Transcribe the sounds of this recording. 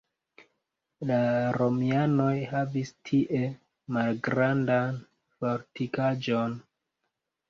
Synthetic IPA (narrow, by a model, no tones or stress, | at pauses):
laɾo̞miano̞jhavistʰiʔe̞ | malɡɾandan | foɾtikad͡ʒo̞n